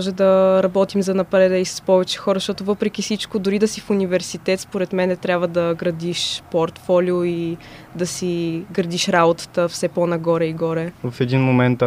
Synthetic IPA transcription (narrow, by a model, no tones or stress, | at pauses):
mɔʒɛd̪ɐɾɐbɔt̪imzɐnɐpɾɛd̪əisɐ̥spɔvɛt͡ʃɛ̥xɔɾəʃt̪ɔt̪ʊvɤpɾɛk̟ifsit͡ʃkod̪ʊɾid̪ɐsifunivɛɾsit̪ɛt̪spoɾɛt̪mɛnɛt̪ɾʲjabvəd̪ɐɡɾɐd̪iʃpoɾt̪fɔlioid̪ɐsiɡɾɐd̪iʃɾabot̪ə̥t̪əfsɛponɐɡɔɾɛiɡɔɾɛvɐfɛd̪inmomɛnt̪